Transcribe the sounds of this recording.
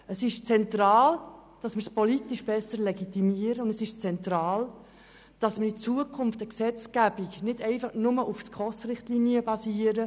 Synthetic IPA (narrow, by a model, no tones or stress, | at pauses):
əsɪʃt͡sɛnt̪rɑːld̥ɑsmɪɾspɔlitiʃb̥ɛsəɾlɛɡit̪imiəɾəʊndəsɪʃt͡sɛnt̪ɾɑːl | d̥ɑsmɪɾit͡suəkʰʊmftəksɛt͡skæb̥iknɪdɛɪfɑχnʊməʔufskʰɔsrɪχtliniəbɑsiːəɾə